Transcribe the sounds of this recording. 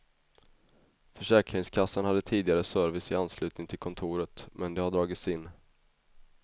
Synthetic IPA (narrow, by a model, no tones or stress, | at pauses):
fœʂɛːkɾɪŋskʰasːənhad̪ːət̪ʰiːd̪ɪɡaɾəsœɾvɪsɪanslʉ̟ːt̪nɪŋt̪ʰɪlkʰɔnt̪ʰuːɾət̪mɛnd̪ɛhaɖɾɑːɡɪt̪sɪnː